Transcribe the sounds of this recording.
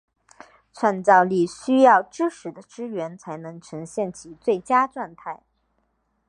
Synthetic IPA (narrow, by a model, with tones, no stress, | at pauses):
ʈ͡ʂʰwa˥˧nt͡sɑ˥˧ʊli˥˩ɕy˥jɑ˥˩ʊʈ͡ʂɻ̩˥ʂɻ̩˨˧˥d̪ə˧ʈ͡ʂɻ̩˥ɥɛ˧˥nt͡sʰa˧˥ɪnɤ˧˥ŋʈ͡ʂʰɤ˧˥ŋɕjɛ˥˩nt͡ɕʰi˧˥t͡swe˥˩ɪt͡ɕja˥ʈ͡ʂwa˥˧nt̪ʰa˥˩ɪ